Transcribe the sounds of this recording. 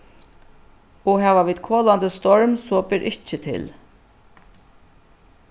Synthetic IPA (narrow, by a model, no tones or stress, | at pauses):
ɔɦæːʋaʋiːd̪kʰoːlant̪əst̪ɔɹmsɔbɪɾʔɪt͡ʃət̪ʰɪ̰l